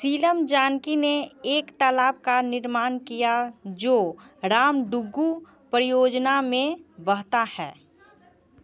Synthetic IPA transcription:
siːləmd͡ʒaːnkineeːkt̪alaːb̚kanɪɾmaːnkijad͡ʒoːɾaːmɖʊɡːu | pɾɪjoːd͡ʒnamẽbəɦt̪ahɛ̰ː

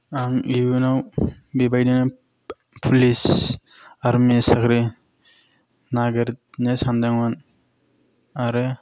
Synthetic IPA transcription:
amibunaw | bibajdina | pʰulis | aɾmisakɾi | naɡəɾt̪̚ | nesandaŋwan | aɾɯ

